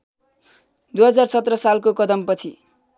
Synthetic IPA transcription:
d̪uɦʌd͡zarsʌt̪rʌsalkokʌd̪ʌmpʌt͡sʰi

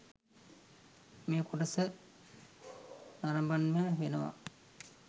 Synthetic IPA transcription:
meːkuʈɐsə | naɾɐmbanməʋenəʋa̰

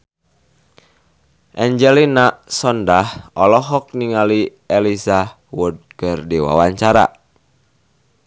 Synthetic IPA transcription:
ʔɛɲd͡ʒɛlinaʔsɔndahɔlɔɦɔk̚niŋali | ɛlisa | wʊd̚kərdiwa̰waɲt͡ʃaɾa̰

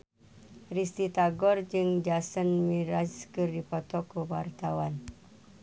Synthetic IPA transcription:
rist̪it̪aɡɔrd͡ʒɨŋd͡ʒasənmiɾaskərdipɔt̪ɔkəwart̪awan

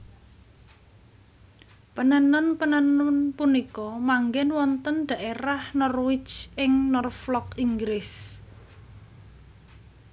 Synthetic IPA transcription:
pənənɔnpənənɔnpunikɔmaŋɡɛnwɔnt̪ənɖ̪̥a̤ʔeɾahnɔrwɪt͡ʃʔɪŋnɔrflɔkiŋɡɾɪs

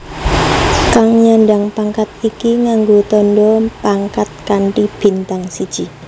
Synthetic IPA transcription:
kaŋɲaɳɖaŋpaŋkat̪ikiŋaŋɡot̪ɔɳɖɔpaŋkat̪̚kaɳʈib̥i̤nt̪aŋsid̥ʒ̥i

